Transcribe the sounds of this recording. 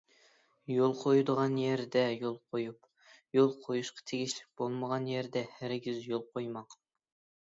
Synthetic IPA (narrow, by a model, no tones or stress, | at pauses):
jolˠqʰojud̪əʁɑnjeɾd̪ɛjolˠqʰojup | jolˠqʰojuʃqʰɑ̥t̪ʰeɡʲiʃlɪk̚ʲb̥olˠməʁɑnjeɾd̪ɛhæɾɡʲizjolˠqʰojmɑq